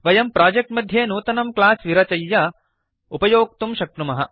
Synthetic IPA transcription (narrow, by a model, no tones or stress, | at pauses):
ʋɐjɐmpɾaːd͡ʒek̚ʈmɐd̪ʱjeːnuːt̪ɐnɐmklaːsʋiɾɐt͡ʃɐjːɐ | upɐjoːk̚t̪umʃɐk̚ʈumɐɦɐ